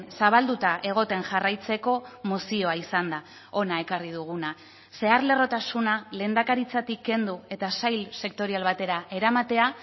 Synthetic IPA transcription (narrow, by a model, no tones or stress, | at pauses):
saβ̞ald̪ut̪aʔe̞ɣ̞o̞t̪e̞nʝarajt͡se̞ko̞musio̞aisand̪a | o̞nae̞karið̞uɣ̞una | se̞aɾle̞ro̞t̪asunale̞ːnd̪akaɾit͡sat̪ikːe̞nd̪ue̞t̪asajlse̞kt̪o̞ɾialβat̪e̞ɾae̞ɾamat̪e̞a